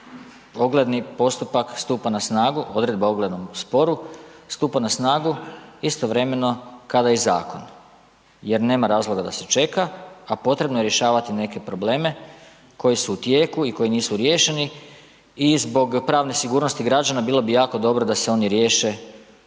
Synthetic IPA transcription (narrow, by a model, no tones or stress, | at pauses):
o̞ɡled̪nipo̞st̪upakst̪uːpanasnaːɡuʔo̞d̪ɾe̞d̪̚baoɡle̞d̪no̞mspo̞ɾust̪uːpanasnaːɡuist̪o̞ʋɾe̞me̞no̞kad̪ajiza̰ːko̞n | je̞ɾne̞ːmaɾaːzlˠoɡad̪ase̞t͡ʃe̞kaapo̞t̪ɾe̞bno̞je̞ɾje̞ʃaːʋat̪ine̞ke̞pɾo̞ble̞ːme̞ | ko̞jisuːt̪je̞ːkuiko̞jiniːsuɾje̞ːʃe̞ni | izbo̞ɡpɾaːʋnesiɡuːɾno̞st̪iɡɾad͡ʒanabiːlˠo̞bijaːko̞d̪o̞bɾo̞d̪aseo̞niɾje̞ːʃe̞